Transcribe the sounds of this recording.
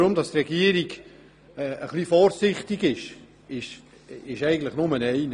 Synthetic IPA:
ʊmdɑst̪rɛɡiəɾiɡː | əχlifɔːɾsɪχtɪɡɪʃ | ɪʃ | ɪʃæɪɡən̩tləχnʊmənɛɪn

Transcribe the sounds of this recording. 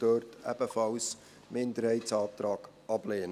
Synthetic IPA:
d̥øːrtæ̰b̥əfɑls | mɪnd̪əɾhɛɪtsɑːt̪ɾɑːɡ̥ | ɑb̥leːn

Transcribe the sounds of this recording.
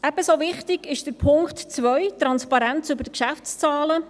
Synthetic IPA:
ɛb̥əsoʋɪχtɪɡ̥ɪʃd̥əɾpʰʊŋktt͡sʋœjt̪ɾɑnspɑɾænt͡sʏbəɾdəkʃæft͡st͡sɑːlə

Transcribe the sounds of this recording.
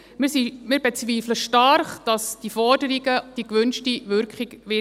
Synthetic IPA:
mɪsimɪːɾbet͡sʋiːfləʃtɑrχd̥ɑsd̥ifɔɾdəɾiɡəd̥ikʋʏnʃtiʋʏɾkχiɡʋɪ

